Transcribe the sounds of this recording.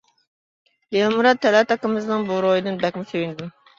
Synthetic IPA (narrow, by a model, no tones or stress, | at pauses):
jelmuɾɑt̪ʰːɛlɛt̪ɑkəmɨznɨŋbuɾojɨd̪ɨnbɛkʲmɪsewɪnd̪ɪm